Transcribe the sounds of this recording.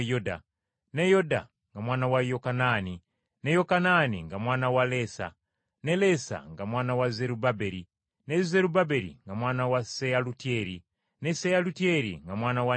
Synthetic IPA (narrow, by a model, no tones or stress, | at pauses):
joda̰ | nejoda̰ | ŋɡamwaːnawajokanani | nejokananḭŋɡamwaːnawalesa̰ | nelesa̰ŋɡamwaːnawazeɾubabeɾi | nezeɾubabeɾḭŋɡamwaːnawasejalutieɾi | nesejalutieɾḭŋɡamwaːnawa